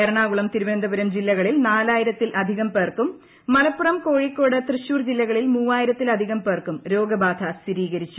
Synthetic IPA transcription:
eɾɐɳaːɣuɭɐmt̪iɾubend̪ʱɐbɐɾɐmd͡ʑilːɐɣɐɭilnaːlaːjiɾɐt̪ːilʔɐd̪ʱiɣɐmpeːrkumː | ɐlɐpːurɐmko̞ːɻikːo̞ːɽɐt̪rɨɕuːrd͡ʑilːɐɣɐɭilmuːʋaːjiɾɐt̪ːilɐd̪ʱiɣɐmpeːrkumɾo̞ːɡɐbaːd̪ʱʰɐsiɾiːɣɐɾit͡ɕːu

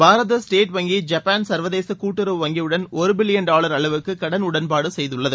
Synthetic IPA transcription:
bʱaːɾɐðɐsʈeːʈʋɐŋɡid͡ʒɐpːaːnsɐɾʋɐðeːsɐkuːʈːɯɾɐʋʋɐŋɡiʋɯɽɐnɔɾɯbɪlɪjɐnɖaːɭɐɾɐɭɐʋɯkːɯkɐɽɐnʊɽɐnpaːɽɯsɛjðɯɭːɐðɯ

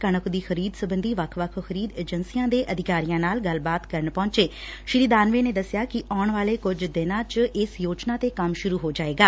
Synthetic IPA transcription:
kəɳ̃əkʰd̪iːxəɾiːd̪səbənd̪iːʋəkʰʋəkʰxəɾiːd̪eːd͡ʒənsijãːd̪eːʔəd̪ʱɪkaːɾijãːnaːlɡəlbaːt̪kəɾəɳpɔ̃ːɲt͡ʃeː | ʃɪɾiːd̪aːnʋeːneːd̪əsjaːkɪʔɔːɳʋaːleːkʊd͡ʒd̪ɪnãːt͡ʃʔɪsjoːt͡ʃnãːt̪eːkəmʃʊɾuːɦoːd͡ʒaːeːɡaː

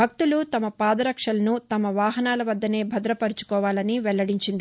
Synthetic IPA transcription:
bʱɐk̚t̪ulut̪ɐmɐpaːd̪ɐɾɐkʂɐlɐnut̪ɐmɐʋaːɦɐnaːlɐʋɐd̪ːɐne̞ːbʱɐd̪ɾɐpɐɾut͡ʃu̥kɔːʋaːlɐniʋɛlːɐɽiɲt͡ʃind̪i

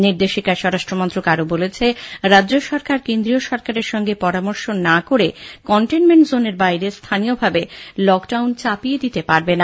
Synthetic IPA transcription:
niɾd̪eʃikaʃɔɾaʃʈɾomont̪ɾokaɾobolet͡ɕʰeɾadːd͡ʑoʃɔɾkaɾkend̪ɾioʃɔɾkaɾeɾʃɔŋɡepɔɾamɔɾʃonakoɾekɔɳʈenmeɳʈzoneɾbajɾest̪ʰaniobʱabelɔkɖawnt͡ɕapijed̪it̪epaɾbena

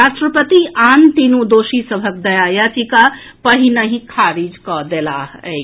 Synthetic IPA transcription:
ɾasʈɾəpət̪iʔant̪inũd̪osisəbʱək̚d̪əjajat͡ʃika | pəɦinəɦĩkʰaɾid͡ʒkɔd̪elaɦɛ̰ɪ

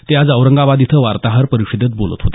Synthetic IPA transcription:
t̪jad͡zəʋɾəŋɡaʋad̪it̪ʰəʋaɾt̪aɦəɾpəɾikʂɕid̪ət͡s̪̚bolə̰t̪ɦot̪a

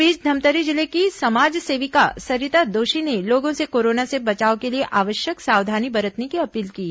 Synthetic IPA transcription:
iːd͡ʒd̪ʱɐmt̪əɾid͡ʒɪlekisɐmaːd͡ʒseːʋikasɐɾɪt̪ad̪oːʃineloːɡõsekoːɾoːnasebɐt͡ʃaːokelieʔaːʋəʃjəksaːʋd̪ʱaːnibɐɾət̪nekiɐpiːlkiː

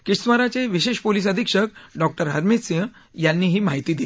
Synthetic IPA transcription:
kisʋəɾat͡seʋiɕeʂpolis̬əd̪ʱikʂək̚ɖɔk̚ʈəɾɦəɾmit̪sẽ | janːiːɦiːmaɦit̪iːd̪il

